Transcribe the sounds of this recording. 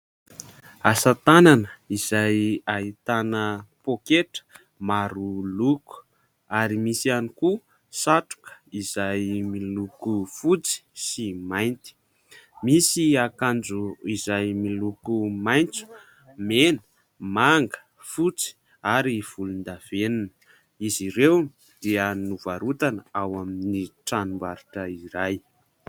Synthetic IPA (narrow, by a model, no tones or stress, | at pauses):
asat̪ananəiz̥ajait̪anəpokeʈ͡ʂə̥ | maɾuluku̥ | aɾimisianiku | saʈ͡ʂu̥kə̥iz̥ajmilukufut͡si̥simajnt̪i̥ | misiakand͡zuizajmilukumajnt͡su̥ | menə̥ | maŋɡə̥ | fut͡si̥ | aɾiv̥ulund̪av̥enunə̥ | iziɾew | d̪̥eənuvaɾut̪anəawaminiʈ͡ʂanumbaɾiʈ͡ʂəiɾaj